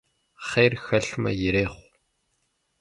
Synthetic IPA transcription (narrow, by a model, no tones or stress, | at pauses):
χeːrxɐɬmɐ̰jɪɾeːχʷ